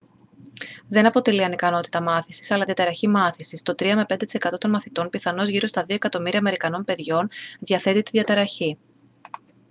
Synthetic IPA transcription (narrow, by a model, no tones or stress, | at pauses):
ðe̞nɐpo̞t̪e̞liɐnikɐno̞t̪i̥t̪ɐmɐθisi̥sɐlɐðijɐt̪eɾɐçimɐθisist̪o̞t̪ɾiɐme̞pe̞nd̪et̪ise̞kɐt̪o̞t̪o̞nmɐθit̪o̞npiθɐno̞zʝiɾo̞st̪ɐðio̞e̞kɐt̪o̞miɾiɐme̞ɾikɐno̞npe̞ðʝo̞nðjɐθe̞t̪it̪iðjʝɐt̪eɾɐçi